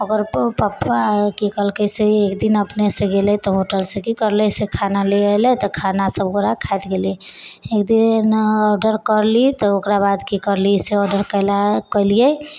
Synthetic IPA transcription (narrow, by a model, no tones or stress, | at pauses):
əɡəɾpəpkikəlkəjseekd̪inəpnesẽɡelɛt̪ɔɦoʈəlsẽkikəɾlɛsekʰanaleelɛt̪ɔkʰanasəbɡoɾakʰajt̪ɡeliekd̪inɔɾɖəɾkəɾlit̪ɔokɾabad̪kikəɾliseɔɾɖəɾkəjlakəliɛ